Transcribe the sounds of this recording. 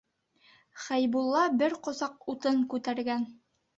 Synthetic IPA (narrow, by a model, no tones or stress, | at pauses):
χæjbulˠːɑbɘɾqŏsɑqut̪ɤɴkʉt̪æɾɡæn